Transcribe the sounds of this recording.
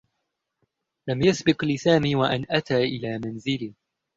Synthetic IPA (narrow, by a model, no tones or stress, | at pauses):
lamjasbɪqlɪsaːmiːwaʔanʔat̪aːʔɪlaːmanzɪliː